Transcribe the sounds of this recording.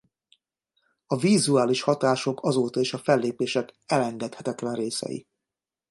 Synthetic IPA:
ɒvizuaːliʃhɒt̪aːʃo̞kɒzoːt̪ɒeːʃɒfɛlːeːpeːʃɛkɛlɛŋɡɛt̪hɛt̪ɛt̪lɛnreːsɛ̰jḭ

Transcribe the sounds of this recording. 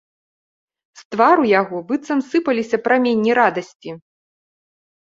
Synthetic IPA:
st̪vaɾujaɣɔbɨt̪sɐmsɨpɐlʲisʲɐpɾamʲenʲːiɾad̪ɐsʲt͡sʲi

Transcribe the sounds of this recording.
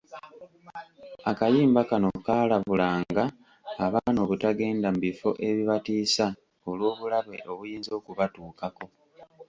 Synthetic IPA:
akajiːmbakano̞kaːlaβulaːŋɡaː | βaːno̞ːβutaɡe̞ːndam̩βifo̞ʔe̞βiβatiːsa | o̞lwoːβulaβe̞̰ʔo̞βujiːnzo̞ːkuβatuːkako̞

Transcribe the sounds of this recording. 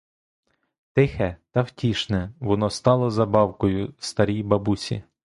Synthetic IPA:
t̪ɪxɛt̪ɐwtʲiʃnɛʋɔnɔst̪ɑlˠɔzɐbɑwkɔjʊst̪ɐɾʲijbɐbusʲḭ

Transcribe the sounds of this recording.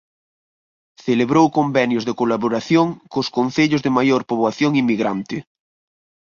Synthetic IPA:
θeleβɾowkombɛnjozðekolaβoɾaθjoŋkʊskon̟θeʎʊzðemajoɾpoβwaθjoŋimːiɣɾant̪ɪ

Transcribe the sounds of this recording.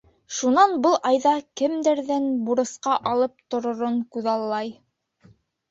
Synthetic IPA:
ʃunɑnbɤlˠʔɑjðɑkɘmd̪æɾðænbuɾɤ̆sqɑʔɑlˠɤp̚t̪ŏɾŏɾoɴkʉðɑlˠːɑj

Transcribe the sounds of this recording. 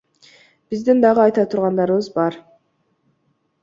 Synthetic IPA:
b̥izd̪ind̪ɑʁɯɑjt̪ɑt̪ʰuɾʁɑnd̪ɑɾɯβɯzbɑɾ

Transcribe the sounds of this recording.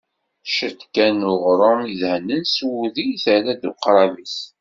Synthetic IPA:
ʃəd̪kænʊʁɾˤəmiðhənːənswuðijθæɾæd̪uqɾˤɑvis

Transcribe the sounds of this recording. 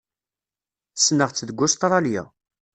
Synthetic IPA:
θə̥snəʁt͡sːəðɡʷːʊst̪ɾˤɑljæ̰

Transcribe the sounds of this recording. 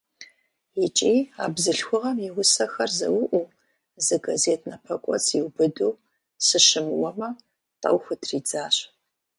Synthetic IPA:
jɪt͡ʃʼiːa̰ːbzɨɬxʷʊʁɐmɪwʊsɐxɐrzɐ̰wʊʔʷuː | zɨɡazeːtʰnɐpʰɐkʷʼɔ̰t͡sʰjiwbɨduːw | sɨʃɨmɨwɐmɐ | tʼɐ̰wxʷʊtʰriːd͡zaːɕ

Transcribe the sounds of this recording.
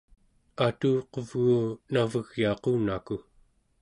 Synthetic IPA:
at̪uːqovɣuːnavəɣjɑːqunaku

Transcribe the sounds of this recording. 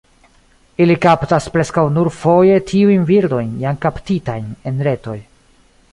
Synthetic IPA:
ilikaptaspɾe̞skawnuɾfo̞je̞tʰiujnviɾdo̞jnjamkaptitajne̞nɾe̞to̞j

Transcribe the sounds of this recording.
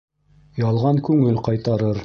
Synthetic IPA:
jɑlˠʁɑŋkʉŋɘlqɑjt̪ɑɾɤɾ

